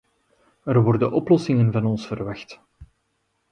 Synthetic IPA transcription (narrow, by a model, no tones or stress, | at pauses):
ərʋɔrdənʔɔplɔsɪŋənvɑnɔnsfərʋɑxt